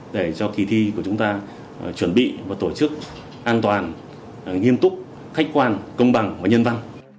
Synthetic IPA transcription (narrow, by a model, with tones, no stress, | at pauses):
ɗe˧˩t͡ɕɔ˧ki˨˩t̪ʰi˧ku˧˩ət͡ɕʊ˨˦ŋ͡mt̪aː˧ | t͡ɕwə˧˩nɓḭ˧˨vaː˨˩t̪o˧˩t͡ɕɨ˦˥k̚ | ʔaː˧nt̪waː˨˩n | ŋi˧əmt̪ʊ˦˥k͡p̚ | xa˦˥k̟̚kwaː˧nkə˧wŋ͡mɓa˨˩ŋvaː˨˩ɲə˧nva˧n